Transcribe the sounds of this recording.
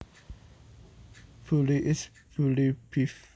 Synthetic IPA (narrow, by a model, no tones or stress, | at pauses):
fuliʔɪs | fulipʰif